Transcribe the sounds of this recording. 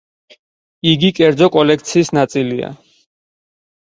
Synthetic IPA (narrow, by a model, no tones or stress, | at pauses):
iɡikʼɛɾd̪zɔkʼɔlɛkʰt̪sʰiːsnat̪sʼilia̰